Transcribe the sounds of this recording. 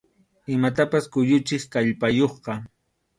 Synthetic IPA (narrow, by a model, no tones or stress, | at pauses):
ɪmat̪̬apaskʊʎʊt͡ʃɪχkaʎpajoχqɑ